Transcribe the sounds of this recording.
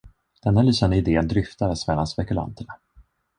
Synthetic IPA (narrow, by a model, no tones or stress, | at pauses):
d̪̥ɛnːalyːsand̪əɪd̪eːənd̪ɾʏft̪ad̪əsmɛlːanspɛkɵla̰nt̪əɳa